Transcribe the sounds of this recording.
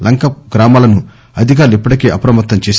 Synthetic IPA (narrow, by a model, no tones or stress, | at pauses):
lɐŋkɐɡɾaːmaːlɐnu | ɐd̪ʱik̬aːɾluipːɐʈikeːʔɐpɾɐmɐt̪ːɐmt͡ʃeːs